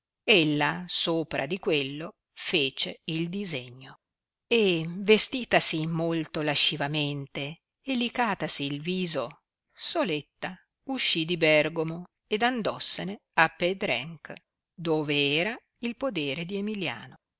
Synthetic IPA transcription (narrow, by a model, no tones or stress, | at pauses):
elːasoːpɾa̰d̪ikwelːo | feːt͡ʃeild̪izeɲːo | evest̪iːt̪asimolt̪olaʃːivament̪e | elikaːt̪asiːlviːzo | solet̪ːa | uʃːid̪ibɛrɡomo | ed̪and̪ɔsːene | apːed̪ɾɛ̰ŋk | d̪oːveɛːɾa | ilpod̪eːɾed̪iemilja̰ːno